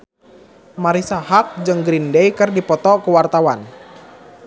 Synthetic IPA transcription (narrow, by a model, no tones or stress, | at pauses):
maɾisahak̚d͡ʒəŋɡɾindejkɨrdipɔt̪ɔkəwart̪awan